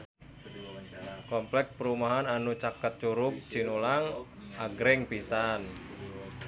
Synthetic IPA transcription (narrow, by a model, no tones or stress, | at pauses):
kɔmplɛk̚pəɾumaɦananut͡ʃakət̪̚t͡ʃuɾʊk̚d͡ʒ̥inulaŋ | aɡɾɪŋpisan